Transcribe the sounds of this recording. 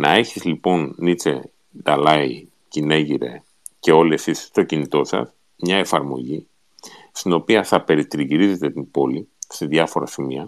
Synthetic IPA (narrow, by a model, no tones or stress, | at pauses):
nɐe̞çizlipo̞nːit͡se̞̰ | d̪ɐlɐi | cine̞ʝiɾe̞̰ | ce̞o̞liesisst̪o̞cinit̪o̞sɐ̰s | mɲɐe̞fɐɾmo̞̰ʝi | st̪ino̞piɐθɐpe̞ɾit̪iɾiʝiɾize̞t̪e̞t̪ibo̞lise̞ðʝɐfo̞ɾɐsimiɐ